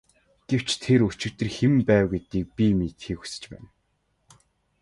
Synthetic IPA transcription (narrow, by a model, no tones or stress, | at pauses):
ɡ̥ew̥t͡ɕt̪ʰeɾut͡ɕɪ̆kt̪ɘ̆rxempæːwɡet̪iːk̚pʲimiːt̪xiːku̥sɘ̥̆t͡ɕpæ̰ːn